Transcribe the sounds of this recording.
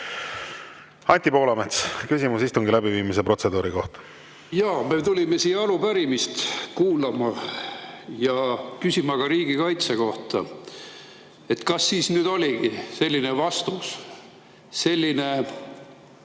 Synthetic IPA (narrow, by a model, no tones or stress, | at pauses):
ɑnʲt̪ʲipo̞ːlɑmet̪skysʲimusist̪uŋɡilæbiviːmise̞pro̞t̪se̞d̪uːɾiko̞̰ht̪ɑ̥ | jɑːme̞t̪ulʲimesiːɑlupæɾimist̪kuːlɑmɑ | jɑkysʲimɑɡ̥ɑɾiːɡikɑjt̪seko̞ht̪ɑ̰ | e̞t̪kɑsːiːsnyːd̪o̞lʲiɡ̥ise̞lʲːine̞vɑst̪us | se̞lʲːine̞